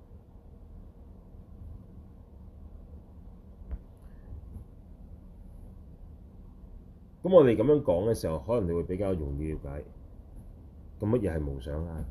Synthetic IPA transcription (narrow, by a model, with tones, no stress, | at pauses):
kɐ˨˥mɔː˧t̪e˨jkɐ˨˥mjœː˨˥ŋkɔː˨˥ŋkɛː˧siː˨˩hɐ˨˩whɔː˨˥lɐ˨˩ne˨˧wːjpe˨˥jkaː˧wjʊ˨˩ŋji˧wkaː˨˥j | kɐ˧˥mɐ˥t̚jɛː˨˧hɐ˨jmo˨˩wsœː˨˥ŋaː˧